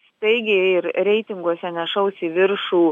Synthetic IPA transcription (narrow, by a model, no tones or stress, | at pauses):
t̪ɐɪɡʲɪɪɾɾʲɛɪt̪ʲɪŋɡuɔsʲɛnʲɛʃɐʊsʲɪʋʲɪɾʃuː